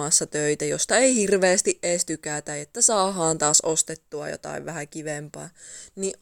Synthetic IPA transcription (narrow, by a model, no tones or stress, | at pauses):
ɑsːɑt̪øit̪æjost̪ɑeihirʋeːst̪iʔʔeːst̪ykæt̪æet̪ːæsɑːɦɑːnt̪ɑːsʔost̪et̪ːuɑ̰jo̰t̪ɑ̰iʋʋæhækiʋempæːniʔ